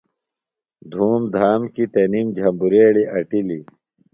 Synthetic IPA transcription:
d̪ʱuːmd̪ʱaːmkit̪enimd͡ʑʱɐmbuɾeːɽiʔɐʈili

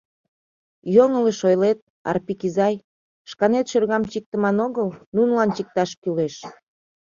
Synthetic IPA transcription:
joŋələʃojlet̪̚ | ɑ̰rpikizɑj | ʃkɑnet̪ʃørɣɑmt͡ɕik̚t̪əmɑnoɣəlnunəlɑnt͡ɕik̚t̪ɑʃkyleʃ

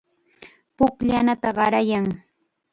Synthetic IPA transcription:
pʊkʎanat̪aɢɑɾajaŋ

